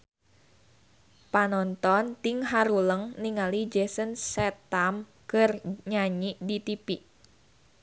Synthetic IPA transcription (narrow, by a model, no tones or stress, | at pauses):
panɔnt̪ɔnt̪iŋɦaɾuləŋniŋalid͡ʒɛsənsɛt̪am | kərɲaɲidit̪ipiʔ